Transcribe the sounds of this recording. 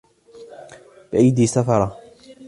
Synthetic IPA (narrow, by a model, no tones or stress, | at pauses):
b̥ɪʔajd̪iːsafɑɾˤɑ